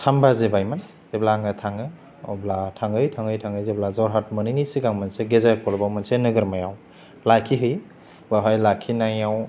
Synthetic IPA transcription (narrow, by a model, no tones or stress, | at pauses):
tʰambazebajman | z̥eblaŋɯtʰaŋɯ | ɔblatʰaŋɯjtʰaŋɡɯjtʰaŋɯjzeblazɔɾɦat̚mɯninisiɡaŋmanseɡezajkʰɔlbawmansenɯɡɯɾmajaw | lajkʰiɦɯj | baɦajlakʰːinajaw